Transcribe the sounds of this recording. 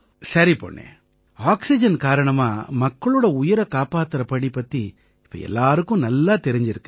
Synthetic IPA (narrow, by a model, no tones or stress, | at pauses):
sɐɾipo̰ːɳːḛː | aːksɪd͡ʒɐnkaːɾɐɳɐma̰ːmɐkːɐɭoːɽɐʊjɪɾɐkaːpaːt̪ːɾɐpɐɳipːɐt̪ːi | ɪpːɐ̰ːɛ̰lːaːɾɯkːʊ̃nɐlːaːt̪ɛɾɪɲd͡ʒɪɾɯkːɯ̥